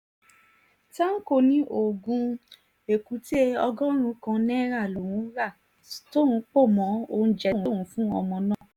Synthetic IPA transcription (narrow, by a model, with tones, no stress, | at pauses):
ta˦ŋ̩˦ko˦˧nĩ˦ʔo˦˨ɡũ˧ | e˨ku˨˦te˦ɔ˧ɡɔ˦ɾ̃ũ˧˦kã˧nɛ̃˦ɾa˦˨lo˨ɾ̃ũ˨˦ɾa˦˨ | to˦ɾ̃ũ˨˦k͡po˦˨mɔ̃˨˦õ˧˦d͡ʒɛ˦ɾũ˨˦˨ũ˨˦fũ˦ɔ˧mɔ̃˧nã˦˨